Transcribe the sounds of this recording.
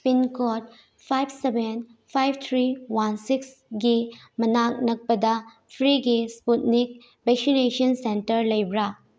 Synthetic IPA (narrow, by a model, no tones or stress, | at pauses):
pinkɔt̚ | pʰajb̚ʰsebʱenpʰajb̚t̪ʰɾiwansiks | ɡi | mɐnak̚nɐk̚pɐdɐ | pʰɾiɡisputnik̚ | bek̚sinesɐnsentɐɾlɐjbɾa